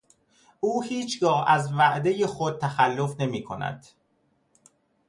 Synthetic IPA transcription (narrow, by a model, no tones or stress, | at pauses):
ʔuːhiːt͡ʃʰɡɒːhæzvæʔd̪e̞jexod̪̚t̪ʰæxælːo̞fne̞miːkʰo̞næ̰d̪̥